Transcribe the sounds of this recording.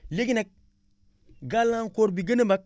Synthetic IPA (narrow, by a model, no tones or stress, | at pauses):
leɡinak̚ | ɡalaŋkoɾbiɡənəmbak̚